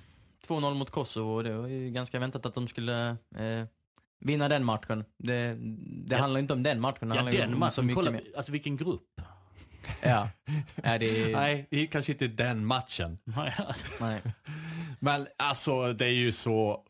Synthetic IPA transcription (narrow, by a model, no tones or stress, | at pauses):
t̪ʰvoːnɔlːmʊt̪kʰɔsɔvʊɔd̪ɛvaɾjɡanskavɛnt̪at̪at̪̚d̪ɔmskɵlːə | vɪnːad̪ɛnmaʈ̪ɧənd̪ɛd̪ɛhanaɾjʏnt̪ɔmd̪ɛnːmat̪ːɧənh̪ɾjɛmasɔmʏmeːɾalsɔvɪlkənɡɾɵpː | jɑːædɛnæɪɪkʰanʂəɪnt̪əd̪ɛnmat̪ʂə̰n | nɛɪ | mɛnalsɔd̪ɛæɾjɵsɔ